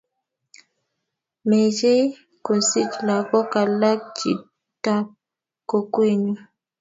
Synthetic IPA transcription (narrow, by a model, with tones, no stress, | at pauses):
me˨d͡ʒe˦ | ko˨si˦t͡ʃla˨ɡɔ˦ka˨la˦k̚t͡ʃḭ˨ | ta˦p̚ | ko˨kwe˦ɲu˦